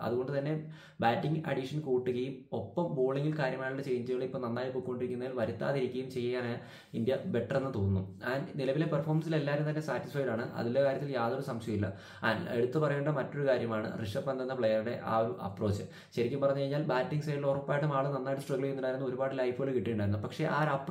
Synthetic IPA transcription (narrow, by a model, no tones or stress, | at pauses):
ɐ̰ðuɣo̞ɳɖɨt̪ɐnːe̞ | baːʈːiŋɡɐ̰ɽiʂɐnkuːʈːuɣɐjumo̞pːɐmbo̞ːɭiŋɡilkaːɾjɐmaːjɭuɽet͡ɕe̞jɲt͡ɕːɐɣɐɭipːoːnɐnːaːjipːoːkːkoɳɖiɾikʲːunːɐðilʋɐɾut̪ːa̰ːðiɾikʲːɐjumt͡ɕe̞jɐjːaːnaː | indjɐbe̞ʈːɐre̞nːɨt̪oːnnːṵannilɐʋile̞perfʰoːmɐnsile̞lːaːɾumt̪ɐnːe̞saːtːisfɐjɾaːɳɨʔɐ̰ðilekaːɾjɐt̪ːiljaːðoɾusɐmɕjɐɐmilːɐ̰ | ɐḛɽut̪ːɨpɐrɐjeːɳɖɐmɐtːo̞ɾukaːɾjɐmaːɳɨ̰riʂɐːɐnd̪ʱɐnːɐpɭejɐrɨɽe̞ʔa̰ːoɾuɐ̰pro̞ːt͡ɕːɨ | ɕɐɾikʲːumpɐrɐɲːɐkɐɻɲːaːlbaːʈːiŋɡsɐjilorɐpːaːjiʈːumaːɭɨnɐnːaːjʈːɨsʈrɐɡɐɭeenːuɳɖaːjɾunːuo̞ɾubaːɽilɐjfɐɣɐɭkiʈːijuɳɖaːiɾunːupɐkʂe̞ʔaːɾɐpː